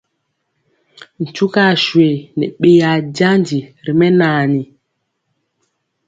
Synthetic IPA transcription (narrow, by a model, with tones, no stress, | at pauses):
n̩˨t͡ʃu˦ka˦˨ʃwe˨nɛ˨ɓe˦ja˨ɟa˦nd͡ʒi˨ɾi˨mɛ˦naː˨ni˨